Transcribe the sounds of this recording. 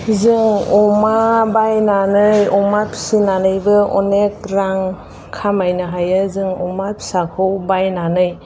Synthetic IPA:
zɯŋɔmabajnanɯjɔmapʰi̥sinanɯjbɯɔnek̚ɾaŋ | kʰamajnɯɦajɯzɯŋɔmapʰi̥sakʰɯwbajnanɯj

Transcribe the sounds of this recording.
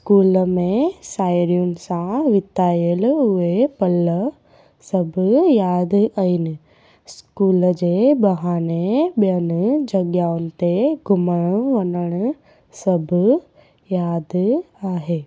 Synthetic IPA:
skuːlmẽsaːjɾijunsãʋɪt̪aːjeluepəlːə | səbjaːd̪aini | skuːld͡ʒebɐɦaːnebjənd͡ʒəɡjaːunt̪eɡʱʊməɳʋɐnəɳ | səbʱ | jaːd̪ | aːɦeː

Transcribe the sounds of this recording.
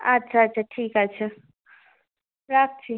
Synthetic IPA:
ɐtːʃʰaːtːt͡ʃʰaʈʰiːkatːt͡ʃʰa | ɾak̚t͡ʃʰi

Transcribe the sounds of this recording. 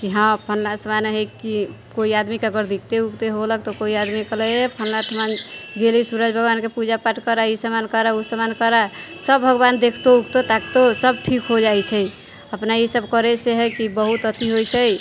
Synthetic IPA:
kiɦãpʰənlasəmanɦeki | koiad̪mikəɡəɾd̪ik̚ʰt̪eukt̪eɦolək̚t̪ɔkoiad̪mikələepʰənlaʈʰəmanɡelisuɾəd͡ʒbʱəɡbankepud͡ʒapaʈkəɾaisəmankəɾausəmankəɾasəbːʱəɡband̪ekʰt̪oukt̪ot̪akt̪osəb̚ʈʰikɦod͡ʒajt͡ʃʰɛj | əpnaisəbkəɾɛseɦəkibəɦut̪ət̪iɦojt͡ʃʰəj

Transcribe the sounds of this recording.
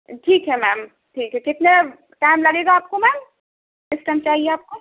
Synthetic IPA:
ʈʰiːkɦɛmɛːm | ʈʰiːkɦɛkɪt̪ne | ʈaːɪmlɐɡeːɡaaːp̚komɛːm | sɪsʈamt͡ʃaːɦieaːp̚ko

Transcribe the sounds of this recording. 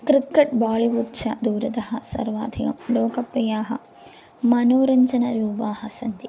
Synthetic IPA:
kɾikːɐʈbaːɭiʋuɾt͡ʃʰɐ̰d̪uːɾɐt̪ɐɦɐsɐ̰ɾʋa̰ːd̪ʱikɐmloːkɐpɾɐjaːɦɐ̰ | mɐnoːɾɐɲt͡ʃɐnɐɾuːpaːɦɐsɐnt̪i

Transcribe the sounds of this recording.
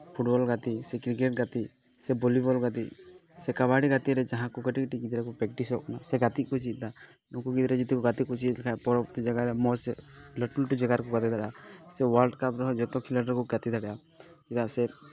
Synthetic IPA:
pʰuʈbɔlɡat̪isɛkɾik̬eʈ̚ɡat̪i | sɛbɔlibɔlɡat̪̬isɛkaβaɽiɡat̪iɾɛd͡ʒaɦãkɔkəʈikʈiɡid̪ɾɛkɔpɾɛk̚ʈisɔkɔnasɛɡat̪iʔ̚kɔt͡ʃit̪̚d̪a | nɔ̃kuɡid̪ɾɛd͡ʒit̪ikɔɡat̪ikɔt͡ʃit̪lkʰapɔɾɔpt̪id͡ʒaɡaɾɛmɔsləʈlʈud͡ʒaɡaɾkɔɡat̪id̪aɽasɛwalɖkapɾɔɦɔd͡ʒɔt̪ɔkʰiləʈəɾkɔɡat̪id̪ʱaɽɛa | t͡ʃid̪asɛ

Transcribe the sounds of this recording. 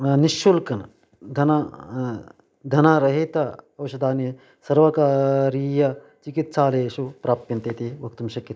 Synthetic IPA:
niʃulkɐn | d̪ʱɐna | d̪ʱɐnaːɾɐɦit̪ɐɐʋɐʃɐd̪aːnjɐ | sɐɾʋɐkaːɾiːjɐ | t͡ʃikit̪saːleːʃupɾaːp̚t̪jɐnt̪eːt̪iʋɐk̚t̪umʃɐkːjɐt̪ː

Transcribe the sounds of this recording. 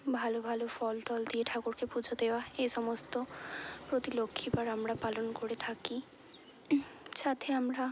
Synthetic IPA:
bʱalobʱalofɔlʈɔld̪ieʈʰakoɾkepud͡ʑʱod̪eoaejʃɔmost̪opɾot̪ilokʰːipaɾamɾapalonkoɾet̪ʰaki | ʃat̪ʰeamɾa

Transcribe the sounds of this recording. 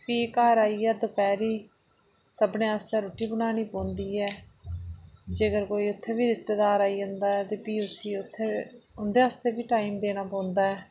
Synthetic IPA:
piːkaːɾaːiːɛːd̪opɛːɾiː | səbnẽːaːst̪eːɾoːʈiːbʊnaːniːpõːnd̪iːɛː | d͡ʒeɡəɾkoːiːʊt̪ʰːeːbiːɾɪst̪eːd̪aːɾaːiːd͡ʒə̃nd̪aːɛːt̪eːpiːʊsiːʊt̪ʰːeʊnd̪eːaːst̪eːbiːʈaːimd̪eːñaːpõːnd̪aːɛː

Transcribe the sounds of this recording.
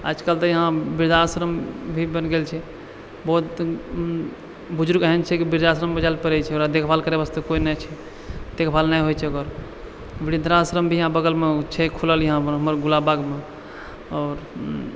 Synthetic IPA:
ə̰d͡ʒkəlt̪əjəɦãbiɾd̪asɾəmbʱibənɡelt͡ʃʰɛ | bɔt̪ | bud͡ʒuɾɡəɦɛnt͡ʃʰɛkibiɾd̪asɾəmbəd͡ʒalpəɾɛt͡ʃʰɛoɾad̪ekʰbʰʱalkəɾebast̪ekoinɛt͡ʃʰɛ | d̪̥ekʰbʰʱalnajɦot͡ʃʰɛɡəɾ | biɽind̪ɾasɾəmbʱijəɦãbəɡəlmet͡ʃʰɛkʰuləljəɦãəɦəməɾɡulabaɡme | ɔːɾ

